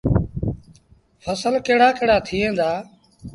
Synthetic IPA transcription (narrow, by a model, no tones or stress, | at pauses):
fʰəsəlkeːɽaːkeːɽaːt̪ʰiːẽːd̪aː